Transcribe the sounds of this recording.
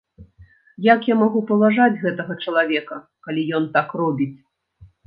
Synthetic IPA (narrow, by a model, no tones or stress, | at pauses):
jakjamaɣupɐlˠaʐad͡zʲɣɛt̪ɐɣɐt͡ʂɐlˠavʲɛkɐ | kalʲijɔnt̪akrɔbʲit͡sʲ